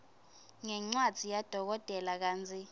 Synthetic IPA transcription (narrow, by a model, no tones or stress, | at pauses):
ŋɛŋ͡ǀad̥d͡z̥ʱijad̥ʱɔk̬ɔtʼɛlak̬aːnd͡zʱi